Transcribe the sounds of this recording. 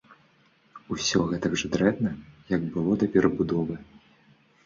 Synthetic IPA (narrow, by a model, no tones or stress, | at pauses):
usʲɔɣɛt̪ɐɡʐɨd̪ɾɛd̪nɐjɐɡbɨlˠɔd̪ɐpʲɛɾɐbud̪ɔvɨ